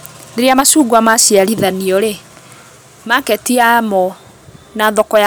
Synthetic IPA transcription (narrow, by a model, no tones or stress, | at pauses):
neɾeamasuɡwamasiaɾiðaniɔɾe | makɛtiamɔ | naðɔkɔja